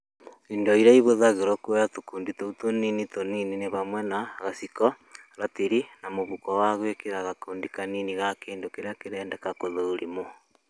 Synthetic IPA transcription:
iːndɔiɾaiβoðaɣeɾɔkuɛjatokuːnditoutoninitoninineβamwɛnaːɣasikɔ | ɾatiɾinamoβukɔwaɣwekeɾaɣakuːndikaniniɣakeːndokeɾeakeɾɛːndɛkakoðoːɾimo

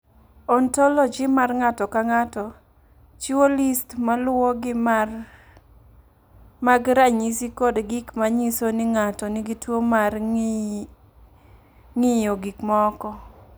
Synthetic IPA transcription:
ɔntɔlɔd͡ʒɪmarŋatɔkaŋatɔ | t͡ʃiwolistmalwɔɡɪmar | maɡɾaɲisikodɡɪkmaɲisonɪŋatɔnɪɡitwomar | ŋɪjɔɡikmaɔkɔ

